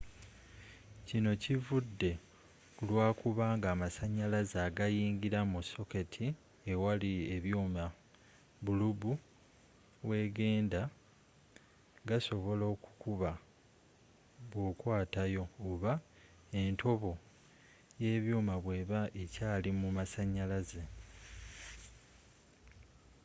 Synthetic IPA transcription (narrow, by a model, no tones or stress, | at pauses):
cino̞civudːe̞ | olwaːkuβaːŋɡaːmasaɲːalazaɡajiːŋɡiɾamuso̞ke̞tʰi | ewalieβjuːma | βulubu | we̞ːɡe̞ːnda | ɡaso̞βo̞lo̞ːku̥kuβa | βwo̞kwaːtajo̞ːβa | e̞ntʰo̞βo̞ | je̞ːβjuːmaβwe̞ːβaʔecaːlimumasaɲːalaze